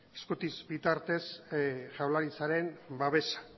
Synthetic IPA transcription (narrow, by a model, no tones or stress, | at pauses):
eskut̪izbit̪aɾt̪e̞sʝawlaɾisaɾe̞mbaβe̞sḁ